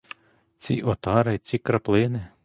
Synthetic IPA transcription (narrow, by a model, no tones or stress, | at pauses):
t͡sʲḭʔɔt̪ɑɾɪt͡sʲikɾɐplˠɪnɪ